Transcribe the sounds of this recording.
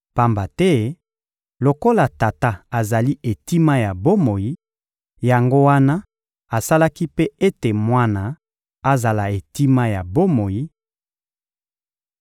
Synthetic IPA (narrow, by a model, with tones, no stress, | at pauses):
pa˦mba˨tɛ˦ | lo˨ko˦la˨ta˨ta˦a˨za˨li˦e˨ti˦ma˦ja˨bo˦mo˨ji˦ | ja˨ŋɡo˦wa˦na˦ | a˨sa˦la˦ki˦pe˦e˦te˨mwa˦na˨ | a˨za˨la˨e˨ti˦ma˦ja˨bo˦mo˨ji˦